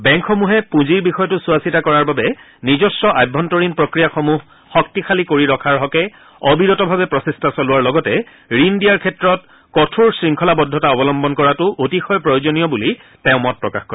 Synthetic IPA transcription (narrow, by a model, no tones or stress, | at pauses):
bɛŋkʰxɔmuɦɛpũziɹbixɔjɔtʊsuasitakɔɹaɹbabɛ | nizɔstɔʔajbʱːɔntɔɹinpɹokɹijaxomuɦː | ɔk̚tixʰalikoɹiɹɔkʰaɹɦɔkɛ | ɔbiɹɔtɔbʱabɛpɹɔsistʰasɔlʊwaɹlɔɡɔtɛ | ɹindijaɹkʰɛtɹɔt̚ | kɔtʰuɹsɹiŋkʰɔlabɔdʱːɔtaɔbɔlɔmbɔnkɔɹatʊʔotixɔjpɹɔjozonijɔbuli | tɛʊ̃mɔt̚pɹɔkaxkɔɛ